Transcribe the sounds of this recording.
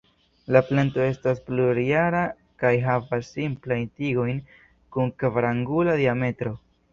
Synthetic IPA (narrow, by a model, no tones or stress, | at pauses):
laplanto̞e̞staspluɾiaɾa | kajɦavasːimplajntiɡo̞jn | kuŋkvɾaŋɡuladiame̞tɾo̞